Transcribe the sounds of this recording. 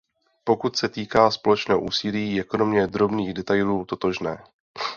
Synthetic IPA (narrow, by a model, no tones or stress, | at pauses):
po̞kut̪sɛt̪iːkaːspo̞lɛt͡ʃnɛːɦoʔuːsiliːɛko̞no̞mɪɛd̪ɾo̞bniːɣdɛt̪ajluːt̪o̞t̪o̞ʒnɛː